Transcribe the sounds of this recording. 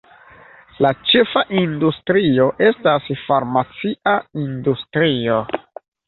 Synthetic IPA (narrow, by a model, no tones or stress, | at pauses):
lat͡ʃe̞faʔindustɾio̞ʔe̞stasfaɾmat͡siʔaindustɾio